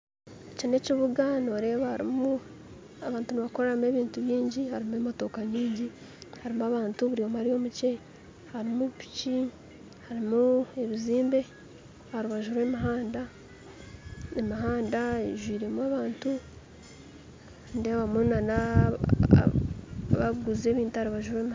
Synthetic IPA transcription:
econe̞ciβuɡanoːɾe̞ːβahaɾḭmu | aβaːntuniβako̞ɾaɾame̞βiːntuβjiːɲɟihaɾimemoto̞ːkaɲiːɲɟi | haɾimuaβaːntuβuɾiomaɾio̞muce̞ | haɾimuβpi̥ci | haɾimueβiziːmbe̞ | haɾuβaʒuɾwe̞miɦaːnda | emiɦaːndaeʒwiːɾe̞muaβaːntu | ndeβamunana̰ | βaɡuze̞ːβiːntuhaɾuβaʒuɾwe̞m

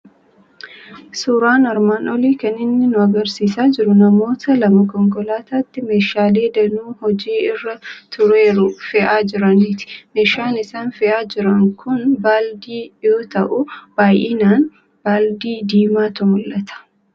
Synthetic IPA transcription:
suːɾaːnɐɾmaːnʔɔliːkɐnɪnːɪnʊɐɡɐɾsiːsaːd͡ʒɪɾʊnɐmo̞ːt̪ʰɐlɐmɐkɔŋkɔlaːt̪aːt̪ːɪmeːʃaːle̞ːd̪ɐnuːhɔd͡ʒiːɪrːɐt̪ʰʊɾe̞ːɾʊfɛʔaːd͡ʒɪɾɐniːt̪ɪ̥me̞ːʃaːnɪsaːnfɛʔaːd͡ʒɪɾɐŋkʰʊnbaːld̪iːjoːt̪ɐʔʊb̥aːjʔeːnaːn | b̥aːld̪iːd̪iːmaːt̪ʊmʊlːɐt̪ʰɐ̥

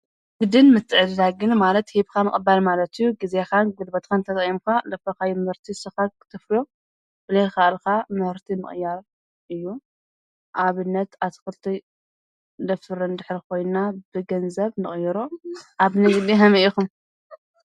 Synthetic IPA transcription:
ɡ̥ɨd̪ɨnmɨt̪ʰːɨʕɨd̪laɡɨnmalɐt̪hibkʰamɨ̰kʼbːalmalɐt̪ʰɨjːuɡizexanɡud̪bɐt̪kʰant̪ʰɐt̪ʼimkʰalɐfɐkajmɨhɾt̪ʰisɨxakʰɨ̥t̪ʰɨfljo | b̥ɨlɐkʰaʔlkʰamɨhɨɾt̪ʰimɨ̰χʼjaɾ | ʔɨjːu | ʔaβɨnːɐt̪at̪ʰɨ̥xɨlt̪ʰi | d̪ɐft̪ɨɾɐnd̪ɨħɾikʰo̞jnabɨɡɐnzɐβnɨχʼjɐɾoʔaβnɨɡɨd̪iɦɐmɐʔikum

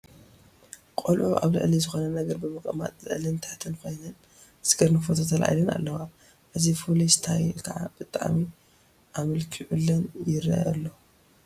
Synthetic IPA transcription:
kʼɐlʔuʔa̰βlɨ̰ʔlizɨxo̞nɐnɐɡɐɾbɨmɨkʼɐma̰t̪ʼlɨ̰ʔlɨnt̪ʰat̪ʰɨnkʰo̞jnɐn | sɡɐɾnɨfot̪ʰot̪ʰɐlʔa̰jlɨna̰lːɐwa | ʔɨzipʰolist̪ʰajʔkʰɐʕa̰b̥ɨt̪ʼa̰ʕmi | ʔamɐlkʰiʕulːɐnjɪɾɐa̰lːo

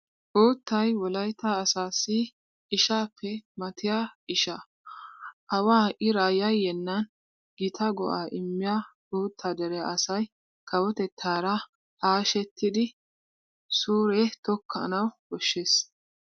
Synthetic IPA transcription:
ʔuːt̪ːɐjwɔlɐjt̪ːaɐsaːsɪ | ɪʃaːpːɛmɐt̪ʰɪjaːɪʃa | ʔɐwaːʔɪɾaːjɐjːɛnːɐn | ɡɪt̪ʰɐɡɔ̰ʔaːʔɪmːɪjaːʔuːt̪ʰːaːd̪ɛɾɛjaɐsɐj | kɐwɔt̪ɛt̪ʰːaːɾɐ | haːʃɛt̪ːɪd̪ɪ | suːɾɛt̪ɔkʰːɐ̰nɐwɡɔʃːeːs

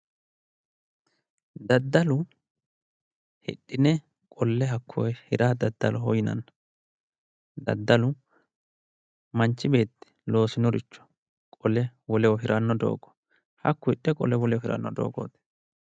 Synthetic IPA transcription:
d̪ɐd̪ːɐlʊ | hɪ̰ɗːɪnɛ | kʼɔlːɛɦɐkʰːɔjhɪɾaːd̪ɐd̪ːɐlɔɦɔjɪnɐ̰nːɐ | d̪ɐ̰d̪ːɐlʊ | mɐnt͡ʃːɪbe̞ːt̪ːɛ̥lo̞ːsɪnɔɾɪt͡ʃːɔ̥ | kʼɔlɛwɔlɛwɔɦɪɾʔɐnːɔd̪o̰ːɡɔ̥ | hɐ̰kːʊɪɗːɛkʼɔ̰lɛwɔlɛwɔhɪɾɐ̰nːɔd̪o̞̰ːɡo̰ːt̪ɛ̥

